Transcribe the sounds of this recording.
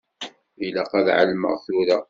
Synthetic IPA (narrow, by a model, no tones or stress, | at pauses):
ilæqɑðʕa̰lmə̰ʁθuɾa